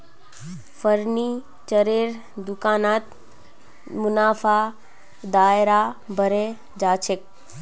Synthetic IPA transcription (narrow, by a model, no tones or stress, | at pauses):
fəɾni | t͡ʃəɾeːɾ | d̪ʊkaːnaːt̪ | mʊnaːfaː | d̪aːɪɾabʱəɾe | d͡ʒaːt͡ʃʰɪk̚